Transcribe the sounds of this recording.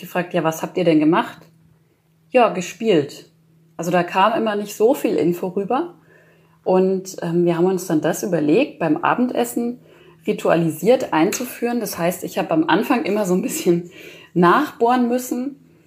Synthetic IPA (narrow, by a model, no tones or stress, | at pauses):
ɡ̥əfʁ̥aːk̚tjaːvashaːp̚tiːɐɾɛnɡəmaχt | jaːɡəʃpiːlt | ʔalzodaːkʰaːmʔɪmɐnɪçtz̥oːfiːlʔɪ̰nfɔʁyːbɐ | ʔʊntʔɛːmviːɐɦaːbm̩ʊnsd̥andasʔyːbɐleːk̚t̚b̥aɪmʔa̰ːbm̩tʔɛ̰sn̩ | ʁitʰua̰liziːɐtʔaɪnt͡sufyːʁəndashaɪstɪçhaːbəamʔa̰nfaŋʔɪmɐzoːnbɪsçənːaːχb̥oːɐnmʏsn̩